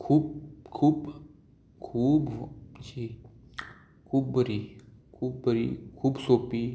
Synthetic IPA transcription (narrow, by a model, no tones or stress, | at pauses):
kʰuːbkʰuːb | kʰuːbd͡ʒiː | kʰuːb̚bəɾikʰuːb̚bəɾḭkʰuːbsoːpi